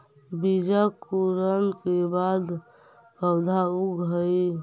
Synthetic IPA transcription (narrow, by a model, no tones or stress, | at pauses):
bid͡ʒakuɾənkebad̪ | bəwd̪ʱauɡɦəi